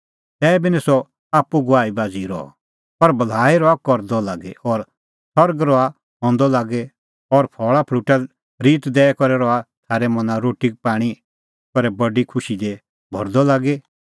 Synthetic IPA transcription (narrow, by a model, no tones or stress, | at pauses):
t̪ɛːbinɛsɔ | aːpːuɡʊaːibaːd͡ziɾɔ̰ɔ̰ | pɐɾbɐl̤aːiɾɔakɔɾd̪ɔlaːɡɛɔːɾ | sɔɾɡɾɔa | ɦɔ̃ːnd̪ɔlaːɡɛ | ɔɾpʰɔːɭapʰluʈa | ɾiːt̪d̪ɛːkɔɾɛɾɔat̪ʰaːɾɛmɐ̃nãɾoːʈipaːɽ̃i | kɔɾɛbɐɖikʰʊʃid̪ɛ | bʱɔ̰ɾd̪ɔlaːɡe